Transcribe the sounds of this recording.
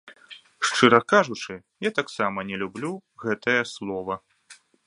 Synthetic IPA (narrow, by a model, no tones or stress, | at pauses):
ʂt͡ʂɨɾɐkaʐut͡ʂɨ | jat̪aksamɐnʲɛlʲublʲuɣɛt̪ɐjɐslˠɔvɐ